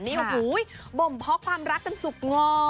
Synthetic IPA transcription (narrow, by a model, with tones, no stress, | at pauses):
nḭ˧˦ə˧wɦu˨˦jɓo˨˩mpʰɔ˨˦˥kʰwaː˧mɾaː˦˥˧ŋsu˨˩k͡p̚ŋɔː˧